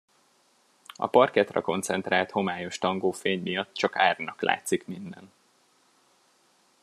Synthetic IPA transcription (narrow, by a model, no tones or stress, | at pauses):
ɒ̰pɒrkɛt̪rɛ̰ko̞nt̪sɛnt̪raːlt̪ho̞maːjo̞ʃt̪ɒŋɡoːfeːɲmijɒt̪ːt͡ʃɒkaːrnɒkla̰ːt̪sikmind̪ɛn